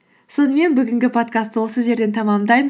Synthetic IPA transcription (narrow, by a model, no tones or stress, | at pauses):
so̞nəme̞nbʏɡʲɪŋɡʲɪpʰo̞t̪kʰast̪ːəwo̞səʒe̞ɾd̪e̞nt̪ʰɑmɑmd̪ɑjmə